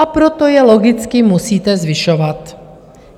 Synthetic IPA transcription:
apɾot̪ojɛloɡɪt͡skɪmusiːt̪ɛzviʃɔvat̪

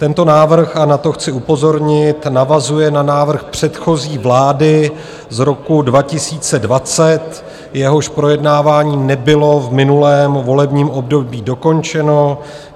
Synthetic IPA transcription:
t̪ɛnt̪o̞naːvr̩xanat̪o̞xt͡sɪupo̞zo̞ɾɲɪt̪navazujɛnanaːvr̩xpr̝̥ɛt̪xo̞ziːvlaːdɪ | zɾo̞kudvacɪsiːt͡sɛdvat͡sɛt̪ | jɛɦo̞ʃpɾo̞jɛdnaːvaːɲiːnɛbɪlo̞vmɪnulɛːmvo̞lɛbɲiːmo̞b̚do̞biːdo̞ko̞nt͡ʃɛno̞

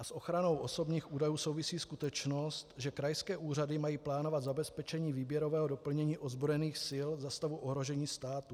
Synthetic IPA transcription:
ʔasʔo̞xɾano̞wʔo̞so̞bɲiːxʔuːdajuːso̞wvɪsiːskut̪ɛt͡ʃno̞sst̪ʒɛkɾajskɛːʔuːradɪmajiːplaːno̞vat̪zabɛspɛt͡ʃɛɲiːviːbjɛɾo̞vɛːɦo̞do̞pl̩ɲɛɲiːʔozbɾojɛniːxsɪlzast̪avuʔoɦɾo̞ʒɛɲiːst̪aːt̪u

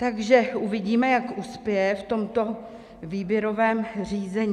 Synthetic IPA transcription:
t̪aɡʒɛʔuvɪɟiːmɛjakʔuspɪjɛft̪o̞mt̪o̞ | viːbjɛɾo̞vɛːmr̝iːzɛɲː

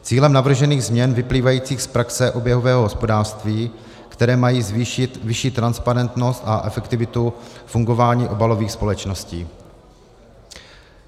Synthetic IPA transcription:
t͡siːlɛmnavr̩ʒɛniːɣzmɲɛnvɪpliːvajiːt͡siːxspɾaksɛʔo̞bjɛɦovɛːɦoɦospo̞daːrst̪viː | kt̪ɛɾɛːmajiːzviʃɪt̪vɪʃiːt̪ːɾanspaɾɛnt̪no̞st̪aʔɛfɛkt̪ɪvɪt̪ufuŋɡo̞vaːɲiːʔo̞balo̞viːxspo̞lɛt͡ʃno̞sciː

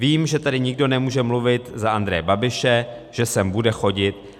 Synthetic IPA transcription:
viːmʒɛt̪adɪɲɪɡdo̞nɛmuːʒɛmluvɪt̪zaʔand̪ɾɛjɛbabɪʃɛ | ʒ̥ɛsɛmbudɛxo̞ɟɪt̪

